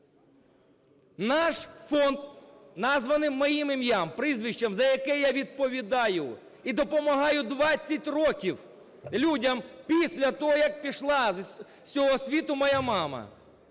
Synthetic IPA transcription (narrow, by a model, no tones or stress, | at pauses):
nɑʃfɔnd̪nɑzʋɐnɪmːɔjimɪmʲjampɾɪzʋʲiʃt͡ʃɐmzɐjɐkɛjaʋʲid̪̚pɔʋʲid̪ɑjʊ | id̪ɔpɔmɐɦɑjʊd̪ʋɑt͡sʲːɐtʲrɔkʲiw | lʲudʲɐmpʲisʲlʲɐt̪ɔɦɔjɐk̚pʲiʃlˠɑ | sʲɔɦɔsʲʋʲit̪ʊmɐjamɑmɐ̰